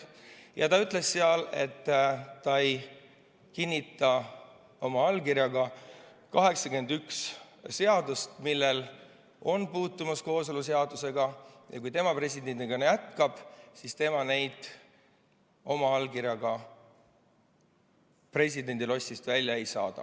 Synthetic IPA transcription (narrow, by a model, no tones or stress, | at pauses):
jɑt̪ɑyt̪ːˑle̞sːeɑle̞̰t̪ːɑej | kinʲːit̪ːˑɑ | o̞mɑɑlkirjɑɡɑ | kɑɦe̞ksɑkye̞nd̪yks | se̞ɑd̪ust̪milːe̞l | o̞npuːt̪ˑːumɑsko̞ːso̞lus̬e̞ɑd̪̥use̞ɡɑjɑ̰kujt̪e̞mɑpre̞sʲid̪e̞nd̪iɡ̥ɑnejæt̪kɑb̥sist̪e̞mɑne̞jd̪̥ | o̞mɑɑlkirjɑɡ̥ɑ | pre̞sʲid̪e̞nd̪ilo̞sʲːist̪vælʲːjɑejsɑ̰ːd̪̥ɑ̰